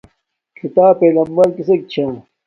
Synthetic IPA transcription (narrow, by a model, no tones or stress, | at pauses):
kʰit̪aːpeːlɐmbɐɾkisek̚t͡ɕʰa